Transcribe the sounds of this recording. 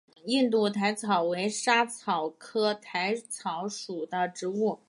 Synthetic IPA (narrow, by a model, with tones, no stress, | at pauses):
i˥˧nt̪u˥˩t̪ʰa˧˥ɪt͡sʰɑ˨˩ʊwe˧˥ɪʂa˥t͡sʰɑ˨˩ʊkʰɤ˥t̪ʰa˧˥ɪt͡sʰɑ˧˥ʊʂu˨˩d̪ə˦ʈ͡ʂɻ̩˧˥u˥˩